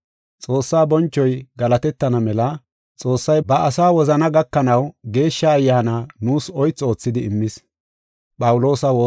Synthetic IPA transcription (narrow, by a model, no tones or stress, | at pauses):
t͡sʼo̞ːsːaːbɔnt͡ʃːɔjɡɐlɐt̪ɛt̪ːɐnɐmɛlɐ | t͡sʼo̞ːsːɐjbɐʔɐsaːwɔzɐnɐɡɐkːɐnɐwɡe̞ːʃːɐːjːaːnaːnuːsɔjt͡sːo̞ːt͡sːɪd̪ɪɪmːɪs | pʼɐwʊlo̞ːsɐwoː